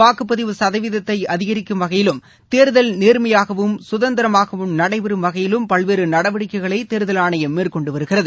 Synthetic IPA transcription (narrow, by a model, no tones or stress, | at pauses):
aːkɯpːɐðɪʋɯsɐðɐʋɪðɐt̪ːɐɪɐðɪɣɐɾɪkːɯmʋɐɣɐjɪlɯm | t̪eːɾðɐlneːɾmɐjaːɣɐʋɯmsʊðɐnd̪ɪɾɐmaːɣɐʋɯmnɐɽɐɪʋɪɾɯmʋɐɣɐjɪlɯmpɐɭʋeːɾɯnɐɽɐʋɐɽɪkːɐɪɣɐɭɐɪt̪eːɾðɐlaːɳɐjɐmːeːrkɔɳɖɯʋɐɾɯɣɪrɐðɯ